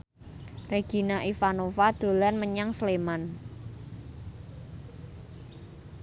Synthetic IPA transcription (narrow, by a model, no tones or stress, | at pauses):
reɡ̥i̤naʔifanofad̪̥o̤lanməɲaŋsleman